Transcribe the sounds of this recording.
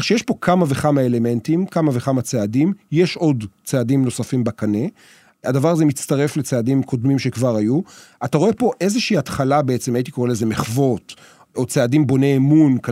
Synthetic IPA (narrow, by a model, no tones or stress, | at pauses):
ʃejeʃpo̞kʰamave̞χamaeleme̞ntimkamaveχamat͡seadimjeʃo̞dt͡seadimno̞safimbakane | adavaʁazemit͡staʁe̞flet͡seadimkʰo̞dmimʃekvaʁajuataʁo̞e̞po̞ʔe̞zeʃiiːatχalabeet͡semajit̪ikoʁeleze̞meχvo̞t | ot͡seadimbo̞ne̞ːmunk